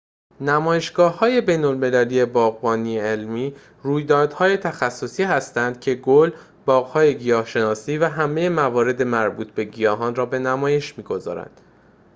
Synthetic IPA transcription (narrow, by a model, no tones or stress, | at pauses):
næmɒːje̞ʃɡ̥ɒːhhːɒːje̞be̞jnolme̞lælije̞bɒːɣbɒːnieelmiː | ruːjd̪ɒːd̪̥hɒːje̞t̪ʰæxæsːo̞siːhæst̪ænd̪̥cʰe̞ɡol | bɒːɣhɒːje̞ɟijɒːhʃe̞nɒːsiːvæɦæmejemævɒːɾe̞d̪e̞mæɾbuːt̪̚ʰbe̞ɟijɒːɦɒːnrɒːbe̞næmɒːje̞ʃmiːɡo̞zɒ̰ːɾæ̰nd̪̥